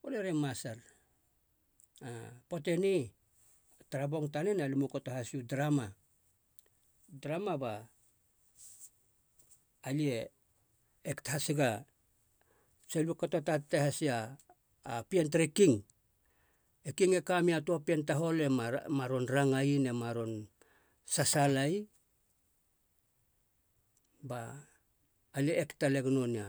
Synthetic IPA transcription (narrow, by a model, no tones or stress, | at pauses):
oleɾemasaɾ | apo̞te̞ni | taɾabo̞ŋtanenalimukotohasiudɾama | dɾamaba | lie | ekthasiɡa | selikatatatːehasiaː | pientaɾikiŋ | ekiŋekamiatuapientaɦo̞le̞maɾo̞nɾaŋaine̞maɾo̞n | sasalaj | ba | lieʔːktaleɡno̞nia̰